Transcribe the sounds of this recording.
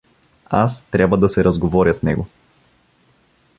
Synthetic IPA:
a̰st̪ɾʲabvɐd̪ɐsɛɾɐzɡovɔɾjɐsnɛ̰ɡo

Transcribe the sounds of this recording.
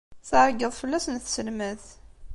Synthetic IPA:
θəɾˤɡəðˤfəlːæsnθsəlməθ

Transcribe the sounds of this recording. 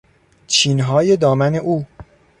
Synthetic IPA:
t͡ʃʰiːnɦɒːje̞d̪ɒːmæne̞ʔuː

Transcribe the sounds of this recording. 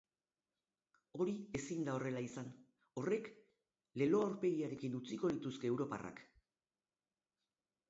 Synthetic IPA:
o̞ɾie̞sind̪ao̞re̞laisan | o̞re̞k | le̞lo̞awɾpe̞ɣiaɾe̞kinut͡siko̞ðit̪uske̞ːwɾo̞pa̰ra̰k

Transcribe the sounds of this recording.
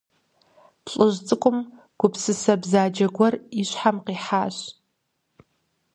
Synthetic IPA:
pʰɬʼɨʒt͡sʼɨkʷʼʊm | ɡ̥ʷʊpsɨsɐbzaːd͡ʒɐɡʷɔriɕʷħamqiːħaːɕ

